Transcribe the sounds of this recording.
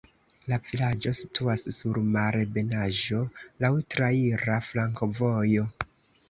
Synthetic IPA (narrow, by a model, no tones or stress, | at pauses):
lavilad͡ʒo̞sitʰuasːuɾmaɾebe̞naʒo̞lawtɾaiɾaflaŋko̞vojo̞